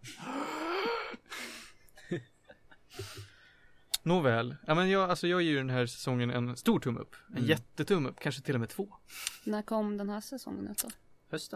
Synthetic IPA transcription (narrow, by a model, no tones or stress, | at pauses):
nuvɛːlamɛnjɑːalsɔjɑːɡjeːjʏɖɛnɦæːɾsɛ̥sɔŋːənɛ̰nst̪uːʈʰɵmːɵ̰pːɛnjɛt̪ːət̪ʰɵmːɵpːkʰanʂət̪ʰɪlːɔmeːt̪ʰv̥oːnækʰɔmːd̪ɛnhæːsɛsɔ̰ŋːə̰nʉ̰ːt̪d̪ɑ | hœs